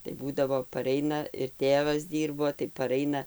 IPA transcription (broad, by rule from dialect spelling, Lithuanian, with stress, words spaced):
tɐɪ ˈbuːdɐʋoː pɐˈrʲɛɪnɐ ɪr ˈtʲeːʋɐs ˈdʲiːrboː tɐɪ pɐˈrɐɪnɐ